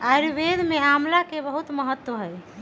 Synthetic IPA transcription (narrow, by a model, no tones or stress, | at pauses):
aɾibed̪ʱmeamlakebəɦut̪məɦət̪ːwəɦəj